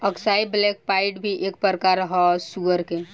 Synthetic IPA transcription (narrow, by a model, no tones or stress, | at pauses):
əksaːiblɛːk̚paːɪʈbʱiʔeːk̚pɾəɾkaːɾɦɔsuʋəɾke